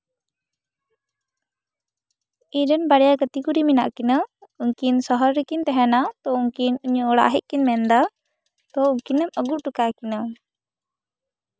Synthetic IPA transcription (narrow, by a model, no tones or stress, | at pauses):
iɾənbaɽjaɡət̪ikuɾimina̰ʔkinəuŋkinsɔɦɔɾɾikint̪ɛɦɛnat̪ɔuŋkinuɲəːɽa̰ɦɛʔ̚kinmɛnd̪a | t̪ɔuŋkinɛməɡuɾʈukakina